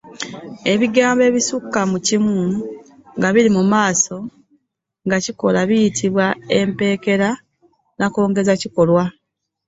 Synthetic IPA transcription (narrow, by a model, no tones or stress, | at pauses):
e̞βiɡaːmbe̞ːβisukːamucimu | ŋɡaβiɾimumaːso̞ | ŋɡaciko̞laβijitʰiβwae̞mpe̞ːke̞ɾa | nako̞ːŋɡe̞zaciko̞lwa